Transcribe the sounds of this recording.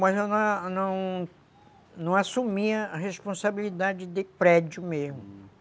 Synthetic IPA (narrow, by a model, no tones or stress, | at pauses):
mɐzewnɐ̃w̃nɐ̃w̃ | nɐ̃w̃asumiɐɦespõsabilid̪ad͡ʒɪd̪ɪpɾɛd͡ʒʊmezmʊ